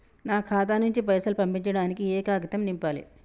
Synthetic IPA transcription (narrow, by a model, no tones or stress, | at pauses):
naːkʰaːt̪̬anuɲt͡ʃipɐjsɐlupɐmpiɲt͡ʃɐɽaːnikiɛːkaːɡɐt̪ɐmnimpaːlḭ